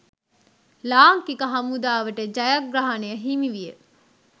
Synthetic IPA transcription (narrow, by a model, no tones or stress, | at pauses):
laːŋkikəɦɐmud̪aːʋəʈəd͡ʒɐjɐɡɾaɦɐnejəɦimiʋijə